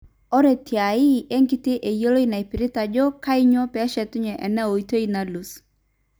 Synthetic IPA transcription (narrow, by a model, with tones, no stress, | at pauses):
ɔ˦ɾe˨tja˨i˦ʔe˦ŋɡɪ˦te˦ʔe˨jo˦lo˦i˦na˨e˨pɪ˨ɾɪ˦ta˨d͡ʒɔ˦ka˦ɪ˦ɲɔ˦pɛ˦ʃɛ˨tʊ˦ɲɛ˨ʔɛ˨nɛ˦o˨i˦to˦i˦na˨lu˨s